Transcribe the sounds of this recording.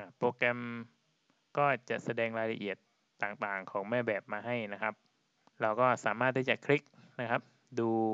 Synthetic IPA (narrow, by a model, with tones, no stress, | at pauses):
ʔa˧˩poː˧kɾɛ˧m | kɔː˥˩t͡ɕa˨˩ʔsa˧dɛː˧ŋɾaː˧jla˧ʔi˨˩ət̪ː | aː˨˩ŋt̪aː˨˩ŋkʰɔː˩˦ŋmɛː˥˩bɛː˨˩p̚maː˧ɦa˥˩jna˦˥kʰa˦˥p̚ | ɾa˧wkɔː˥˩saː˩˦maː˥˩t̪̚ːʰiː˥˩t͡ɕa˨˩kʰɾi˦˥k̚na˦˥kʰa˦˥p̚ | duː˧